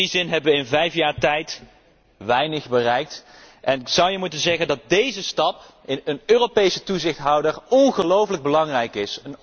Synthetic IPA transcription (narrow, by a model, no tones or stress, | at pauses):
izɪnɦɛbəʋəɪnvɛjfjaːɹtɛjt | ʋɛjnəχbərɛjk̚t | ʔɛnɪksʌwjəmutənzɛχəndɑt̚dejzəstɑp | ɪnənøːropejsətuzɪχtɦɑwdəɹɔnχəlowfələɡ̚bəlɑŋrɛjkɪsən